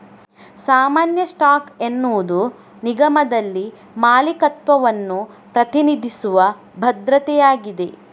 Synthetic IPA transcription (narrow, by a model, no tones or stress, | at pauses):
saːmaːnjɐsʈaːkenːuːd̪u | niɡɐmɐd̪ɐlːi | maːlikɐt̪ʋɐʋɐnːu | pɾɐt̪inid̪ʱisuʋɐ | bʱɐd̪ɾɐt̪ɛjaːɡid̪e̞